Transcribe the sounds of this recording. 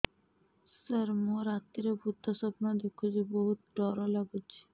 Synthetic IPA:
səɾmoɾat̪ːiɾebut̪ːasɔpnad̪ikʰːud͡ʑiboɦut̪ɖɔɾolaɡut͡ɕʰi̥

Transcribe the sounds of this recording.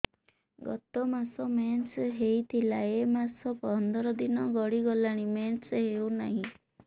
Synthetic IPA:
ɡɔt̪ɔmasɔmensɦejt̪ʰilaemasɔpɔnd̪ɔɾɔd̪inɔɡɔɽiɡɔlaɽ̃imensɦewnaɦĩ

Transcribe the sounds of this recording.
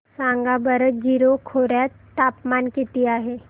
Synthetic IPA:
sãːŋɡabəɾət̪̚d͡ʒiːɾokʰoːɾat̪ | t̪aːpmaːnket̪ijaɦɛ

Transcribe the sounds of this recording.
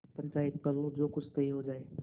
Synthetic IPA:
pɐ̃ɲt͡ʃaːɪt̪̚kɐɾlõd͡ʒoːkʊt͡ʃʰt̪ɐɦĩɦod͡ʒaːeː

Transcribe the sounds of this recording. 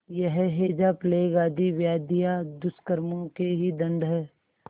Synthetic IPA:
jəɦɛɦeːd͡ʒapleːɡaːd̪iʋjaːd̪ijad̪ʊskəɾmõkeɦid̪ɐ̃nɖʱɦɛ

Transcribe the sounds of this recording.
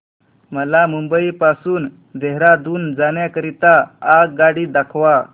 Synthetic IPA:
məlamumbəipasuːn | d̪ʱeɦɾad̪uːnd͡zaɳjakəɾit̪aːkɡaɽiːd̪akʰʋa

